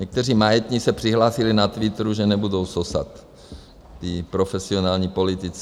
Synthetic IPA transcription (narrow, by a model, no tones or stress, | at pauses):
ɲɛk̚t̪ɛriːmajɛt̪ɲisɛpr̝̥iɦlaːsɪlɪnat̪vɪt̪ɾuʒɛnɛbudo̞wsosa̰t̪ː | ipɾofɛsionaːlɲiːpo̞lɪt̪ɪt͡s